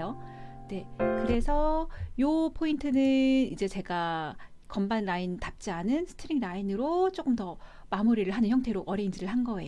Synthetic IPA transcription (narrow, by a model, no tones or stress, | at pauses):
jo | ne̞kɯɾe̞sʰʌjopʰointʰɯnɯnid͡ʑe̞t͡ɕe̞ɡa | kʌmbanɾaintap̚t͡ɕ͈ianɯnsʰɯ̥tʰɯɾiŋɾainɯɾot͡ɕ͈ok͈ɯmtʌ | mamuɾiɾɯɭɦanɯnçjʌŋtʰe̞ɾoʌɾeind͡ʑiɾɯɭɦanɡʌe̞̰